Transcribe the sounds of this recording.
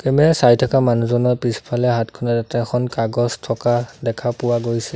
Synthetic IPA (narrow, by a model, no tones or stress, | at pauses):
kɛmɛasajtʰakamanuzɔnɔɹpispʰalɛɦatkʰɔnatatɛxʰɔnkaɡɔztʰɔkadɛkʰapʊwaɡojsɛ